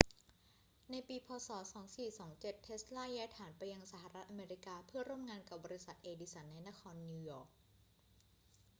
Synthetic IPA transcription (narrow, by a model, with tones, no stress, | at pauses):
na˧jpiː˧pʰɔː˧sɔː˩˦sɔː˩˦ŋsiː˨˩sɔː˩˦ŋt͡ɕe˨˩t̪ʰːe˦˥slaː˥˩jɛː˦˥t̪ʰaː˩˦npa˧jːa˧ŋsaː˧˩˦ha˨˩ɾa˦˥t̪̚ʔa˧meː˧ɾi˦˥kaː˧pʰɯ˥˩ɐɾuː˥˩mŋaː˧nka˨˩p̚bɔː˧ɾi˦˥sa˨˩t̪̚ʔeː˧diː˧˥sa˩˦nːa˧jna˦˥kʰɔː˧nːu˧jɔː˨˩k̚